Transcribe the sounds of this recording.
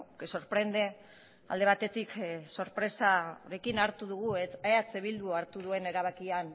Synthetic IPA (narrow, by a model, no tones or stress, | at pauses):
so̞ɾpɾe̞nd̪e | ald̪e̞βat̪e̞t̪ikso̞ɾpɾe̞saoɾe̞kinaɾt̪uðuɣueeat͡seβild̪uaɾt̪uð̞ue̞ne̞ɾaβ̞akian